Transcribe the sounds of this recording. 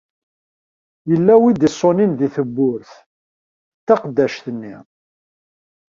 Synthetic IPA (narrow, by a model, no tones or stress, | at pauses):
jəlːæwid̪isˤːoninðiθəbːʊɾθ | t̪ːɑqd̪ːæʃθənːḭ